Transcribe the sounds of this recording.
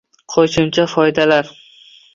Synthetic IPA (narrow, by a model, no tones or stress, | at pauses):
qʰoʃɪmt͡ʃʰafɒjd̪alaɾ